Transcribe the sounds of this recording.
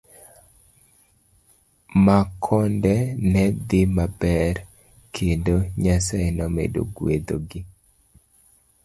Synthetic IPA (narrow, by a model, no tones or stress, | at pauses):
makʰɔndɛnɛd̪ɪmabɛr | kʰendoɲasajnɔmḛdo̰ɡwed̪oɡɪ